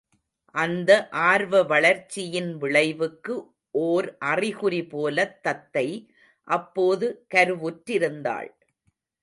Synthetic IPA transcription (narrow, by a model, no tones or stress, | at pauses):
ʔɐnd̪ɐʔaːɾʋɐʋɐɭɐɾt͡ʃːɪjɪnʋɪɭɐɪʋɯkːɯ | ʔoːɾʔɐrɪɣʊɾipoːlɐt̪ːɐt̪ːɐɪ | ʔɐpːoːðɯkɐɾɯʋuʈɾɪɾɯnd̪a̰ːɭ